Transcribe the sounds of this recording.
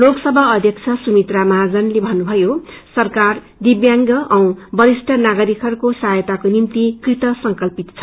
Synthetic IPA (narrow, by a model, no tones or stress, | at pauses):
loksʌbʱʌːd̪ʱjʌkt͡sʰʌsumit̪ramaɦad͡zʌnlebʱʌnːubʱʌjosʌrkar | d̪ibjaŋɡʌʔʌ̃w̃bʌɾisʈʌnaɡʌɾikʰʌrkosajʌt̪akonimt̪ikrit̪ʌsʌŋkʌlpit̪t͡sʰʌ